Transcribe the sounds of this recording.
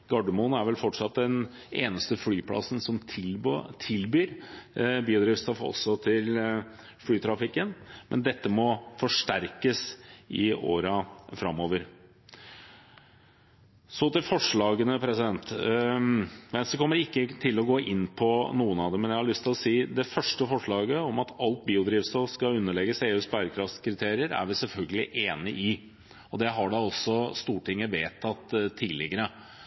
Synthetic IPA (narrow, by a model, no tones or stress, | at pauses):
ɡ̥ɑɖəmunæɾʋɛlfɔʈʂɑt̪̚d̪ɛn | eːnəst̪əflyːpʰlɑ̰sn̩sɔmʰ | t̪ʰɪlbyːɾ | byːd̪ɾɪʋst̪ɑfɔ̰sːɔt̪ʰɪl | fɽyːt̪ʰɾɑfɪkːənmʔɛ̰nd̪ɛt̪ːəmɔfɔʂʈæɾkəsʔɪo̰ːɾɑfɾɑmːoːʋəɾ | sɔt̪ɪlfɔʂɭɑːɡənəpʰɾɛsɪd̪ɛnt̪ | mɛnsd̪ɛkʰɔmːəɾɪkːət̪ʰɪlɔɡoːʔɪnːpʰɔnuːənɑd̪ɛmɛnjæhɑɭʏst̪ʰɪlɔsiːd̪ɛfœʂʈəfɔʂɭɑːɡəɔmɑt̪ʰɑlt̪̚biːʊd̪ɾiːʋst̪oskɑʉnːəɭɛɡəseːʉːsbæɾkʰɾɑft̪kʰɾɪt̪ʰeːɾɪəɾæ̰ɾʋɪsɛlfœlɡəlɪʔeːnəʔɪ | ɔd̪ɛɦɑɖɑɔsɔst̪uːʈɪŋːəʋeːt̪ʰːɑt̪ʰːiːlɪ̰ɡəɾə